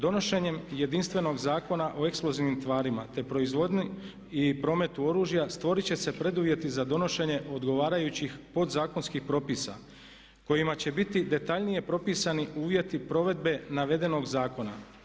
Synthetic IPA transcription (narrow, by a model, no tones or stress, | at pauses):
d̪o̞no̞ʃe̞ɲe̞mje̞d̪inst̪ʋe̞no̞ɡzaːko̞naʔo̞e̞ksplˠo̞ziʋnimt̪ʋaːɾimat̪e̞pɾo̞izʋo̞d̪ni | ipɾo̞ːme̞t̪uo̞ɾuːʒijast̪ʋo̞ɾit͡ɕe̞se̞pɾe̞d̪uʋje̞t̪izad̪o̞no̞ʃe̞ɲe̞ʔo̞d̪ɡo̞ʋaːɾajut͡ɕixpo̞d̪zaːkonskixpɾo̞pisa̰ | ko̞jimat͡ɕe̞bit̪id̪e̞t̪aʎnije̞pɾo̞piːsaniʔuːʋje̞t̪ipɾo̞ʋe̞d̪be̞naʋe̞d̪e̞no̞ɡzaːko̞na̰